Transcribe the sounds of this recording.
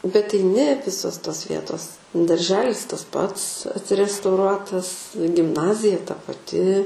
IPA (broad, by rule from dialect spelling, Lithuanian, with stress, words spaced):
bʲɛt ɛɪˈnʲɪ ˈʋʲɪsoːs toːs ˈʋʲiɛtoːs dɐrʲˈʒʲæːlʲɪs tɐs ˈpɐts ɐtʲrʲɛstɐʊˈruɔtɐs ɡʲɪmˈnɑːzʲɪjɛ tɐ pɐˈtʲɪ